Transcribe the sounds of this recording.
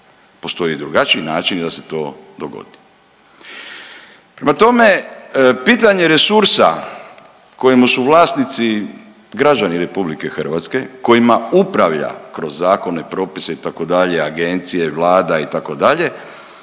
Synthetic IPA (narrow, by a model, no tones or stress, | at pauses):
po̞st̪o̞jid̪ɾuɡat͡ʃiinaːt͡ʃind̪ase̞̥t̪o̞ːd̪oɡo̰d̪i | pɾemat̪o̞me̞piːt̪aɲe̞ɾe̞suɾsa̰ | ko̞jimusuʋlˠaːsnit̪si | ɡɾad͡ʒaniɾe̞publike̞xər̩ʋat̪ske̞ko̞jimaupɾaʋʎa̰kɾo̞zːaːko̞ne̞pɾo̞ːpiseit̪ako̞d̪aʎe̞aɡe̞nt̪sije̞ʋlˠaːd̪ait̪ako̞d̪aʎe̞